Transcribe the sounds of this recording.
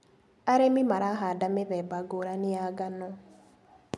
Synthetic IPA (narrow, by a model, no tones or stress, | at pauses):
aɾemimaɾaɦadameðɛbaɡoɾanɪaɡanɔ